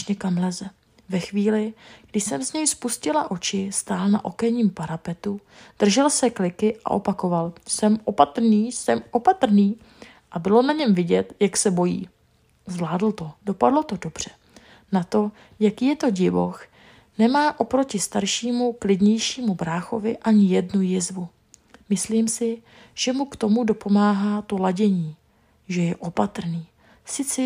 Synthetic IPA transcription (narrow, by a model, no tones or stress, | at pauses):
ɲɛkamlɛzɛ | vɛxviːlɪɡ̥dɪʃsɛmzɲɛjspuscɪlaʔo̞t͡ʃɪst̪aːlna̰ʔo̞kɛɲiːmpaɾapɛt̪ud̪̥r̩ʒɛlsɛklɪkɪʔa̰ʔo̞̰pako̞valsɛmʔo̞pat̪r̩niːsɛmʔo̞pat̪r̩niː | ʔabɪlo̞naɲɛmvɪɟɛt̪jaksɛbo̞jḭː | zvlaːdl̩t̪o̞do̞padlo̞t̪o̞do̞br̝̥ɛ | nat̪o̞ | jakiːjɛt̪o̞ɟɪvo̰x | nɛmaːʔo̞pɾo̞cɪst̪aɾʃiːmuklɪdɲɛjʃiːmubɾaːxo̞vɪʔaɲɪjɛdnujɪzvu | mɪsliːmsɪ | ʒ̥ɛmukt̪o̞mudo̞po̞maːɦaːt̪olaɟɛɲiː | ʒɛjɛʔo̞pat̪ɾ̩niː | sɪt͡sɛ